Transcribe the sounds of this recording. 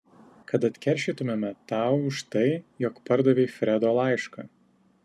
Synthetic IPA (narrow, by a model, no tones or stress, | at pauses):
kɐt̪ɐt̪ʲkʲɛɾʲˑʃʲiːˑt̪ʊmʲemʲɛt̪ɑˑʊʊʃt̪ɐɪjɔkpɐɾd̪ɐʋʲeːfʲɾʲɛd̪oːlˠɑˑɪʃkɐ̰ː